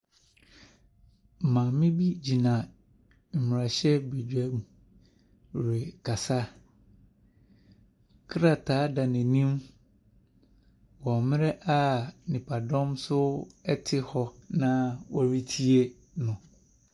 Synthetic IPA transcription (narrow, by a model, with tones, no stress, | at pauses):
mã˨mɪ̃˦bi˦d͡ʑi˨nã˨ | m̩˨m˨ɾa˨ɕɛ˦be˨d͡ʑᶣɛ˦mũ˨ | ɾe˨kʰa˨sa˦ | kʰɾa˨tʰaː˨˦da˨nɛ̃˨nĩ˦m | wɔ̃˨mɪ̃˦ɾɛ˦ʔa˦nɪ̃˨pʰa˨dɔ̃˦msʊ˦ɛ˦tʰɪ˦hɔ˦nã˦wɔ˦ɾi˦tʰi˦e˦ | nʊ̃˨